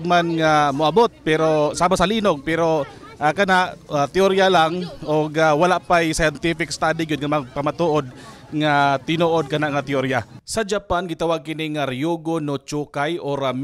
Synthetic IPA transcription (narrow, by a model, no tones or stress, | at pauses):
ɡ̚manŋamʊʔɐbot̪̚pɛɾosaːmasɐliːnoɡ̚pɛɾo̞ | ʔakɐnaʔat̪ɪoɾjalaŋʔoɡawɐlaʔpajsajɛnt̪ifɪkst̪ad̪ɪɡʊd̪̚ŋɐmɐɡ̚pɐmat̪uːʔod̪̚ | ŋat̪ɪnoːʔod̪̚kɐnaʔŋɐt̪ɪoɾjasɐd͡ʒapanɡɪt̪awaɡ̚kɪnɪŋaɾjoɡonot͡ʃuːkajʔoɾam